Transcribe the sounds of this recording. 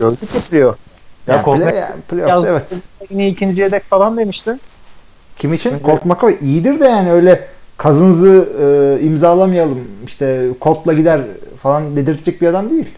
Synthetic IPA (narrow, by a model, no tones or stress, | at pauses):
øld̪yepʰlʲijojaklʲja̰pʰlʲeofevɛt̪iniicʰind͡ʒied̪ɛcfalˠand̪e̞miʃt̪im | cʰimiːt͡ʃʰinkʰo̞lˠt̪makʰavʔijid̪iɾd̪ɛjaːniø̞jlʲɛkʰazɯnɯzɯɯːimzaːlˠamɯjalˠɯmiʃt̪ʰɛkʰo̞lˠt̪lˠaɟid̪æɾfalˠand̪e̞d̪iɾt̪ʰd͡ʒɛc̚biɾad̪amd̪ejilʲ